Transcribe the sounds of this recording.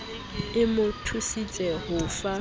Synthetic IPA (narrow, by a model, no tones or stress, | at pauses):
ɪmʊtʰusit͡sʼɛɦʊfa